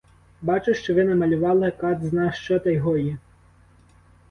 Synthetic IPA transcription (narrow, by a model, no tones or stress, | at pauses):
bat͡ʃeʂt͡ʃɔʋɪnɐmɐlʲʊʋɑlˠɐkɑd̪znaʂt͡ʃɔt̪ɐjɦɔji